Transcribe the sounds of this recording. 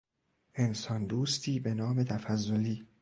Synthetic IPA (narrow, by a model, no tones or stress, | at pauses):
ʔe̞nsɒnd̪uːst̪ʰiːbe̞nɒːme̞t̪ʰæfæzːoliː